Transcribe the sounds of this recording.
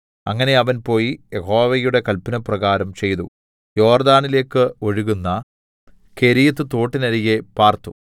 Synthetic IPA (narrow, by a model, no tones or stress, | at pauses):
ɐŋːɐne̞ɐʋɐnpo̞ːjijeho̞ːʋɐjuɽe̞kɐlpɐnɐprɐɣaːɾɐmt͡ɕe̞jt̪ṵ | jo̞ːrd̪aːnile̞ːkːɨo̞ɻuɣunːɐ | keɾijɐt̪ːɨt̪o̞ːʈːinɐɾijepaːrt̪u